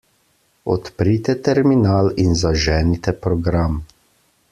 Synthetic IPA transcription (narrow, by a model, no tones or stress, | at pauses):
ɔ̰t̪pɾit̪ɛt̪ɛɾminaːlinzaʒɛːnit̪ɛpɾɔɡɾam